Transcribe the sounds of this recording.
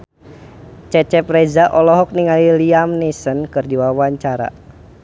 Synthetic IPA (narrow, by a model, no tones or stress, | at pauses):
t͡ʃɛt͡ʃɛpɾɛzaʔɔlɔɦɔk̚niŋaliliamnisənkɨrdiwawaɲt͡ʃaɾa̰